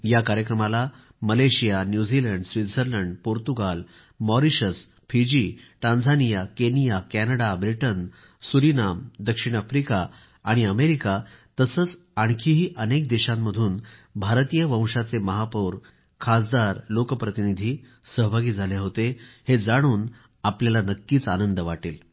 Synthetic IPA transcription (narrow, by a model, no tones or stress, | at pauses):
jakaɾjəkɾəmala | məleɕijanjud͡ziləɳɖsʋit̪səɾləɳɖpoɾt̪uɡal | mɔɾiɕəs | pʰid͡ʑiːʈãnd͡zʱanijakenijakænəɽabɾiʈən | suɾinamd̪əkʂiɽ̃afɾikaː | ɽ̃iəmeɾikat̪əsəːt͡s | aɳ̃kʰiːɦiːʔənek̚d̪eɕamːəd̪ʱuːnbʱaɾt̪ijəʋə̃w̃ʂat͡seməɦapoɾ | kʰasd̪aɾlokəpɾət̪inid̪ʱiː | səɦbʱaɡiːd͡zʱaleɦot̪ehed͡zaɽ̃uːn | apljalanəkːiːt͡sanənd̪əʋaʈḭːl